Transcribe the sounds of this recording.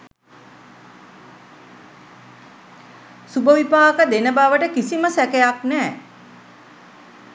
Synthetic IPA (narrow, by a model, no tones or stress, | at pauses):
subəʋipaːkəd̪enəbaʋəʈəkisiməsækejaknæː